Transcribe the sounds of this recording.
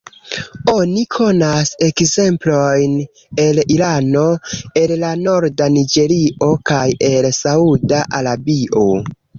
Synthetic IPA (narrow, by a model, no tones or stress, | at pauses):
o̞nikʰo̞nase̞kze̞mplo̞jn | e̞lilano̞e̞llano̞ɾdanid͡ʒe̞ɾiʔo̞kaje̞lsaudaʔaɾabiʔo̞